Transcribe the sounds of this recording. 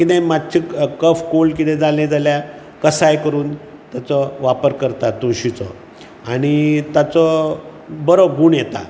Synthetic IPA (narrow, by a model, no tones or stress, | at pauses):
kit̪ɛ̃mad̪t͡ɕʰikəfkolkit̪ɛ̃d͡zalẽd͡zalja | kəsajkəɾuːn | t̪jat͡sɔʋapəɾkəɾt̪at̪oɕit͡sɔ̰ | aɽ̃it̪jat͡sɔ | bəɾoɡuːɳjet̪a̰